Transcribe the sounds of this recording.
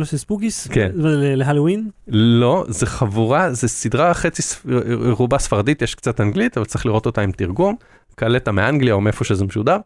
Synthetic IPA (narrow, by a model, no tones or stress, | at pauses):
losespuɡiskenaleleɦalowinlo̞zeχavuʁazesidʁaχe̞t͡sisʁubasfaʁadit̪jeʃkt͡satanɡlit̪avalt͡siχliʁo̞t̪o̞taimt̪iʁɡum | kaletameaŋɡliaomeefo̞ʃezemeʃudaʁ